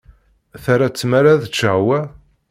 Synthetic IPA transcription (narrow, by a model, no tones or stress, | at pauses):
θaɾat͡sːmaɾaðt͡ʃːəʕwæ